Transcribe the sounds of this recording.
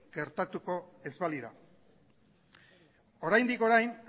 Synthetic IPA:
ɡ̥e̞ɾt̪at̪uko̞e̞zβaliɾa̰ | o̞ɾajnd̪iko̞ɾajn

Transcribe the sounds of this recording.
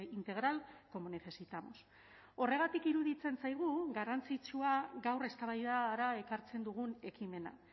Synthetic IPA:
int̪e̞ɣɾalko̞mone̞θe̞sit̪amo̞̰s | o̞re̞ɣ̞at̪ikiɾuðit͡se̞nsajɣ̞uɣarant͡sit͡suaɡawre̞st̪aβajðaɾae̞kaɾt͡se̞nd̪uɣ̞une̞kime̞na̰

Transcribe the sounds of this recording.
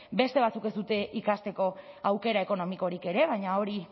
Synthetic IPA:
be̞st̪e̞β̞at͡suke̞zd̪ut̪e̞ʔikast̪e̞ko̞awke̞ɾaeko̞no̞miko̞ɾike̞ɾe̞βajɲao̞ɾi

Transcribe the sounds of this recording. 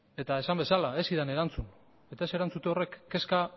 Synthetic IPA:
e̞t̪ae̞sambe̞salae̞siðane̞ɾant͡sun | e̞t̪ae̞se̞ɾant͡sut̪e̞o̞re̞kːe̞ska

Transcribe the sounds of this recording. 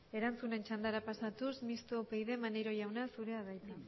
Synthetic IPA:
e̞ɾant͡sune̞nt͡ʃand̪aɾapasat̪usmist̪opejðe̞maneɾo̞ʝawnasuɾe̞aðajt̪a

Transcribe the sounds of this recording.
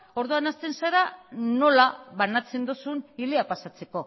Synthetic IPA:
o̞ɾðuanast̪e̞nseɾano̞laβanat͡se̞nd̪usunileapasat͡se̞ko̞

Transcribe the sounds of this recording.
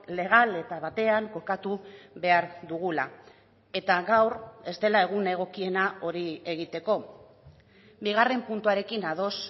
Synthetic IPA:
le̞ɣ̞ale̞t̪aβat̪e̞aŋko̞kat̪uβe̞aɾðuɣ̞ula | e̞t̪aɣawre̞zt̪e̞lae̞ɣ̞une̞ɣ̞o̞kie̞nao̞ɾie̞ɣit̪e̞ko̞ | biɣare̞mpunt̪uaɾe̞kinað̞o̞s

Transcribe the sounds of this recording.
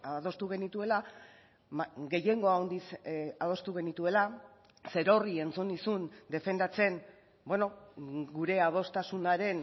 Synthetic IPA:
aðo̞st̪uɣe̞nit̪ue̞la | ɡe̞je̞ŋɡo̞aond̪isað̞o̞st̪uɣe̞nit̪ue̞la | se̞ɾo̞rie̞nt͡sunisund̪e̞fe̞nd̪at͡se̞n | beno̞ɡuɾe̞að̞o̞st̪asunaɾe̞n

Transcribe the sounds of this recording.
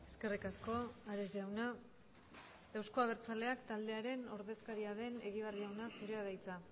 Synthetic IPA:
e̞ske̞rikasko̞aɾezʝawna | ewsko̞aβ̞e̞ɾt͡sale̞akt̪ald̪e̞aɾe̞no̞ɾðe̞skaɾiaðe̞ne̞ɣiβarðiawnasiɾe̞aðajt͡sa

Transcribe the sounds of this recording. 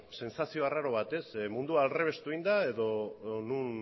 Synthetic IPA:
se̞nsasio̞araɾo̞β̞at̪e̞smund̪uaːlre̞β̞e̞st̪uind̪ae̞ðo̞nun

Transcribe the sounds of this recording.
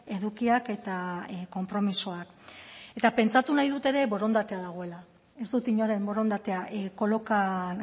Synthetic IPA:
e̞ðukiake̞t̪ako̞mpɾo̞misoak | e̞t̪ape̞nt͡sat̪unajðut̪e̞ɾe̞βo̞ɾo̞nd̪at̪e̞aðaɣ̞o̞e̞la | e̞sd̪ut̪iɲoɾe̞mbo̞ɾo̞nd̪at̪e̞aʔko̞lo̞kan

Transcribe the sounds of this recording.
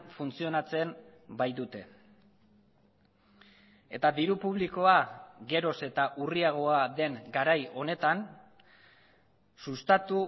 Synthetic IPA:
funt͡sio̞nat͡se̞mbajd̪ut̪e̞ | e̞̰t̪aðiɾupuβ̞liko̞aɣe̞ɾo̞se̞t̪aʔuriaɣ̞o̞aðe̞ŋɡaɾajo̞ne̞t̪an | sust̪at̪u

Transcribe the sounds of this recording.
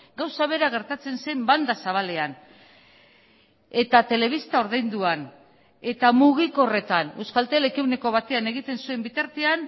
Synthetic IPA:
ɡawsaβe̞ɾaɣ̞e̞ɾt̪at͡se̞nsejmband̪asaβ̞ale̞an | e̞t̪at̪e̞le̞β̞ist̪ao̞ɾðejnd̪uan | e̞t̪amuɣ̞iko̞re̞t̪ane̞wskalt̪elekiwneko̞βat̪e̞ane̞ɣ̞it̪e̞nsue̞mbit̪aɾt̪ean

